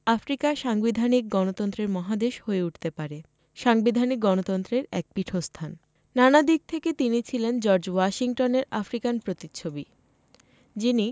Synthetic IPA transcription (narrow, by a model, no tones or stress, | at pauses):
afɾikaʃaŋbid̪ʱanik̚ɡɔnot̪ɔnt̪ɾeɾmɔɦad̪eʃhoeuʈʰt̪epaɾe | ʃaŋbid̪ʱanik̚ɡɔnot̪ɔnt̪ɾeɾɛ̰k̚piʈʰost̪ʰan | nanad̪ik̚t̪ʰeket̪init͡ɕʰilend͡ʑɔɾd͡ʑwaʃiŋʈoneɾafɾikanpɾot̪it͡ɕʰobi | d͡ʑini